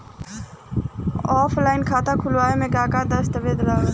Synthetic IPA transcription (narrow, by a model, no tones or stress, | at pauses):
ɔːpʰlaːɪnkʰaːt̪akʰʊlʋaːemẽkaːkad̪ɐst̪əʋed̪laː